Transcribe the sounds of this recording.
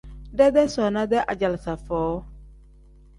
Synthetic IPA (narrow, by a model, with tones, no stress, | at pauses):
dɛ˦dɛ˦sɔ˨nã˦d̪ɛ˦ʔa˨d͡ʒa˨lsa˨fɔː˨˦